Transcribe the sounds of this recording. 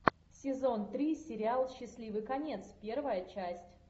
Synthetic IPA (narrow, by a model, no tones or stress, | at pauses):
sʲɪzo̞nt̪ɾʲisʲɪɾʲɪalˠɕːɪsʲlʲivɨkɐnʲe̞t̪spʲervəjət͡ɕæsʲtʲ